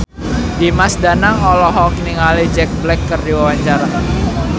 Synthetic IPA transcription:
dimasdanaŋɔlɔɦɔkniŋalid͡ʒɛk̚blɛkːərdiwawaɲt͡ʃaɾa

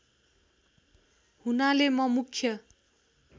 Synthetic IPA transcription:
hunalemʌmukʰːjʌ

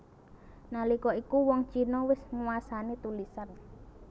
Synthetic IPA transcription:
nalikɔikuwɔŋt͡ʃinɔwɪsŋuasanit̪ulisan

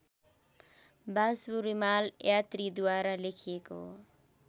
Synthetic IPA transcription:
basbuɾimaljat̪ɾid̪waɾalekʰijeko̰

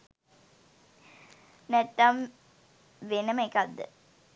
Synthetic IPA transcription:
nɛt̪ːɐm | ʋenəməekad̪ːə̰

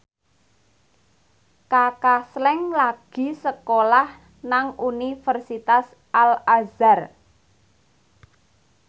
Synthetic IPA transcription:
kakaslɛŋlaɡ̥i̤səkolah | naŋunifərsit̪as | ʔalazar

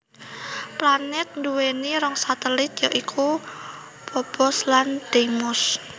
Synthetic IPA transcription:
planɛt̪̚nd̪uweniɾɔŋsat̪elɪt̪̚jaʔikʰu | pɔb̥ɔsland̪̥emʊs

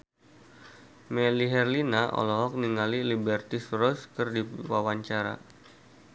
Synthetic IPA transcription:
mɛliɦɛrlinaʔɔ̰lɔɦɔk̚niŋalilibɛrt̪ɪsrɔskərdiwawaɲt͡ʃaɾa̰

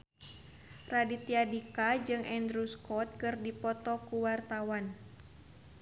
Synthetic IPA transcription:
radit̪iadikad͡ʒɨŋʔɛndɾuskɔt̪̚kɨrdipɔt̪ɔkuwart̪awan

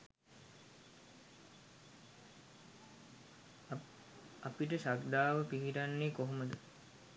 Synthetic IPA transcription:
apiʈəʃakd̪aːʋəpiɦiʈanːekoɦoməd̪ə

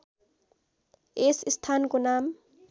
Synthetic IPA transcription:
esɪst̪ʰaːnkonaːm

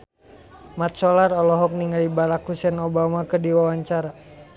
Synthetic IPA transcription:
mat̪̚sɔlarɔlɔɦɔk̚niŋalibalakusɛnobamakədiwawaɲt͡ʃaɾa

